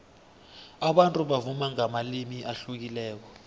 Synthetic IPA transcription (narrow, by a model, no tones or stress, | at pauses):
aɓantʼuɓavumaŋamalimiʔaɬuk̬ilɛːk̬ɔ